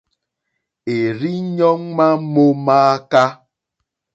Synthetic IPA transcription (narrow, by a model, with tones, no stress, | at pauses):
e˨ɾi˦ɲɔ˦ŋ̩˦ma˦mo˦maː˦ka˦